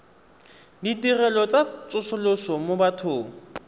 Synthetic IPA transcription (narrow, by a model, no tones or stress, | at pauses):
ditirɛlɔt͡sʼat͡sʼʊsʊlosɔmobatʰʊːŋ̩